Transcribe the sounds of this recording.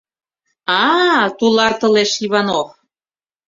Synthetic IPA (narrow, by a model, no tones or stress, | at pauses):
ɑt̪ulɑrt̪ɤ̆leʃiβɑnof